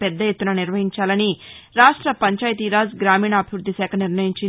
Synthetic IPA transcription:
pɛd̪ːɐjet̪ːunɐniɾʋɐɦiɲt͡ʃaːlɐniɾaːʂʈɾɐpɐɲt͡ʃaːjɐt̪iːɾaːzɡɾaːmiːɳɐːbʱiʋɾud̪ʱːisɛːkʰɐniɾnɐjiɲt͡ʃin

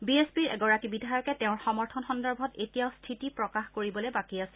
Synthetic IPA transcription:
biespiɹɛ̰ɡɔɹakibidʱajɔkɛtɛʊ̃ɹxɔmɔɹtʰɔnxɔndɔɹbʱɔtetijaʊstʰitipɹɔkaxkoɹibɔlɛbakiasɛ

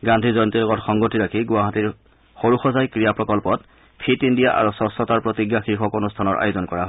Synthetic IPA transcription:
ɡandʱizɔjntilɔɡɔtxɔŋɡotiɹakʰiɡʊaɦatiɹ | xoɹuxɔzajkɹijapɹɔkɔlpɔt | pʰitindijaʔa̰ɹusɔsɔtaɹpɹotiɡjaxiɹxɔkonustʰanɔɹʔa̰juzɔnkɔɹaɦɔj

